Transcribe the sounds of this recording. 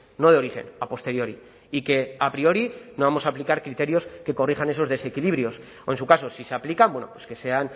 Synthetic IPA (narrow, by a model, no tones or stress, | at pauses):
no̞ð̞eo̞ɾixe̞̰napo̞st̪e̞ɾjo̞ɾi | ike̞apɾio̞ɾino̞βamo̞saːplikaɾkɾit̪e̞ɾjo̞ske̞ko̞rixane̞s̬o̞zðe̞se̞kiliβɾjo̞s | oe̞nsukaso̞sise̞aplikambwe̞no̰pweske̞se̞an